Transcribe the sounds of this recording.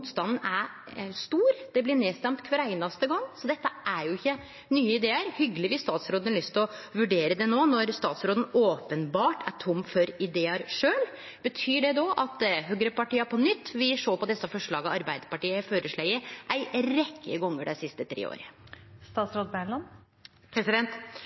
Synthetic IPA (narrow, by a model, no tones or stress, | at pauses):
muːt̪st̪ɑnn̩æɾ | st̪uːɾd̪̥ɛblɪneːst̪ɛmt̪kʰʋɑɾæɪnɑst̪əɡɑŋːsɔd̪ɛt̪ːəʔæɾjʊɪçːə | nyːəɪd̪eːəɾhʏɡəlɪʋɪst̪ɑːt̪sɾoːd̪ənlʏst̪ɔʋʉɖeːɾəd̪ɛnoːnɔɾst̪ɑːt̪sɾoːd̪ən̩oːpənbɑːʈʰæʈʰʊmːfɔɾɪd̪eːɑɾʂøːl | bət̪ʰyːɖɛd̪oːʔɑt̪ɦøːɡɾəpɑʈiːɑpʰɔnʏt̪ːʋɪʂoːpɔd̪ɛsːɑfɔʂɭɑːɡəɑɾbæɪd̪əpɑʈiːəføːɾəʂɭæɪəʔæɪɾɛkʰːə̰ɡɔŋːəɖɛsɪst̪ət̪ʰɾḛːo̰ːɾəst̪ɑːt̪sɾoːd̪̚bæɳlɑn | pʰɾɛsɪd̪ɛnt̪